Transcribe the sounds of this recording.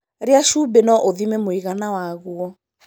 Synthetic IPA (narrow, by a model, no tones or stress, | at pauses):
ɾeaʃubenɔʔoðimemoiɣanawaɣwɔ